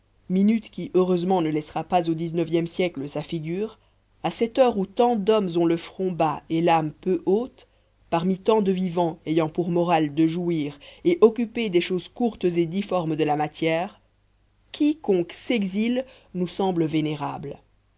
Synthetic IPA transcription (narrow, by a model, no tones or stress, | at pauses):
minyt̪kʲiʔøʁøzmɑ̃nəlɛsʁapazod̪iznəvjɛmsjɛkləsafiɡʲyːʁ | asɛt̪œːʁut̪ɑ̃d̪ɔmzɔ̃ləfχɔ̃baelampøʔot̪ | paʁmit̪ɑ̃d̪əvivɑ̃ejɑ̃puʁmɔʁald̪əʒuiːʁeʔɔkʲyped̪ɛʃozkuʁt̪zed̪ifɔʁmd̪əlamat̪jɛːʁ | kʲʰikɔ̃kseɡzil | nusɑ̃bləveneʁabl